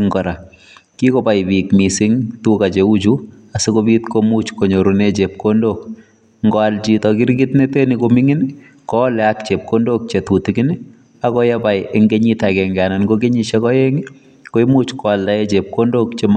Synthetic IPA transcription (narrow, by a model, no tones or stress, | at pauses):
ŋɡɔɾa | kikobajbikmisɪŋtukat͡ʃeud͡ʒu | asekobitkomut͡ʃkoɲoɾunet͡ʃep̚kondok̚ | ŋɡɔalt͡ʃitɔkɪɾɡɪtnetenikomiŋɪn | kɔlɛak̚t͡ʃep̚kondok̚t͡ʃetutiɡini | akɔjabajeŋɡeɲitakɛŋɡananɡoɡeɲiʃɛkɔjeŋi | koimut͡ʃkɔaldaet͡ʃep̚kondokt͡ʃem